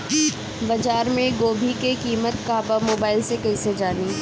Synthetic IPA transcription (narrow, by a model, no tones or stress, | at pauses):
bɐd͡ʒaːɾmẽɡoːbʱikekiːmət̪̚kaːbamoːbaːɪlsekɐised͡ʒaːniː